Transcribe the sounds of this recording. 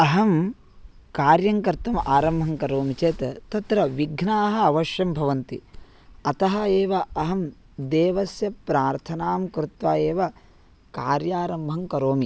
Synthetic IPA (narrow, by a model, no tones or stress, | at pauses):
ɐɦɐm | kaːɾjɐŋkɐɾt̪ɐmʔaːɾɐmbʱɐŋkɐɾoːmit͡ʃeːt̪ɐt̪ɐt̪ɾɐʋiɡʱnaːɦɐ̆ɐʋɐʃjɐmbʱɐʋɐnt̪ḭ | ɐt̪ɐɦɐeːʋɐɐɦɐm | d̪eːʋɐsjɐpɾaːɾt̪ʰɐnaːmkɾut̪ʋaːjeːʋɐ | kaːɾjaːɾɐmbʱɐŋkɐɾoːmi